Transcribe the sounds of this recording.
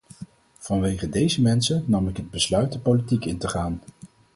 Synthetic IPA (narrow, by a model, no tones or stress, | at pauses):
v̥ɑnʋejχədejzəmɛnsənnɑmɪkɦəd̚bəslœɥt̚dəpolitikɪntəχaːn